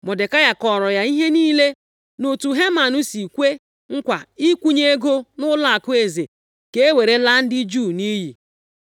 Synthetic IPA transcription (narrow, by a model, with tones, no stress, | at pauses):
mɔ˨de˨ka˦ja˨kɔ˨ɾɔ˨ja˨i˦ɦe˦niː˦le˦ | nu˨tu˨ɦe˦ma˨nʊ˦si˨kʷe˦ | ŋ̩˦kʷa˨i˦kʷu˦ɲe˦e˦ɡo˦nʊ˦la˦a˨kʊ˦e˨ze˨ | ke˦e˦we˨ɾe˦la˦n̩˦dɪ˦d͡ʒu˦˨ni˦ɦi˨